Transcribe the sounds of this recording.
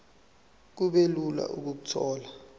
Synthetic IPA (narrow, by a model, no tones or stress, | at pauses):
k̬uɓelula̰ʔuk̬uk̬utʰɔːla